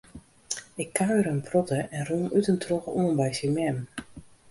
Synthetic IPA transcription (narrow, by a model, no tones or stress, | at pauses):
ɪkʰːaɥɾənpʰrɔtəɛnrunytəntʰrokuənbɛjsəmɛm